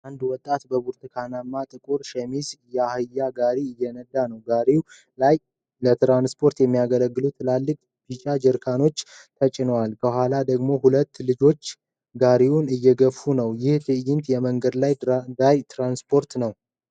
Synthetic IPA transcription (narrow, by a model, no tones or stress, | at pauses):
ʔand̪wɔt̪ʼːat̪bəbuɾt̪ʰɨkʰanamːat̪ʼɨkʼuɾʃɛmizjahɨjːaɡaɾiɨjːɛnəd̪ːanəwɡaɾiw | laj | lət̪ɾanspʰo̞ɾt̪jɛmːijaɡələɡːɨlut̪lalːɨkʼ | bit͡ʃʼad͡ʒəɾkʰano̞t͡ʃːt̪ʰət͡ʃʼɪnwalkʰəhʷalad̪əɡmo̞ɦulət̪ːlɨd͡ʒo̞t͡ʃː | ɡaɾiwunɨjːɛɡəfunəwjɪhfʰejɪnt̪jɛməŋɡəd̪lajd̪ajt̪ɾanspʰo̞ɾt̪nəw